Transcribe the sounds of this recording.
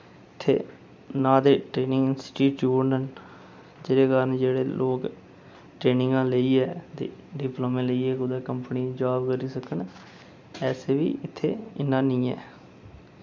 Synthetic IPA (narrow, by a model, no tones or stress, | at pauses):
ɪt̪ʰːḛː | nãːd̪eːʈɾeːnɪ̃ŋɡsɪ̥ʈiːʈjuːɾnən | d͡ʒeːɾeːkaːɾənd͡ʒeːɽeːlʔoːk | ʈɾeːnɪ̃ŋɡãːləiːɛːt̪ḛːɖɪploːmẽːləiːɛːkʊd̪eːkəmpəniːd͡ʒaːbkəɾiːsəkəɳ | ɛːseːʋḭːʔɪt̪ʰːeːɪnːãːnĩːɛ̰ː